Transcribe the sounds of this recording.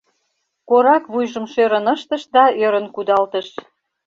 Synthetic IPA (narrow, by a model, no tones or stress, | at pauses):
koɾɑkβujʒəmʃøɾə̆nəʃt̪əʃd̪ɑøɾənkud̪ɑlt̪əʃ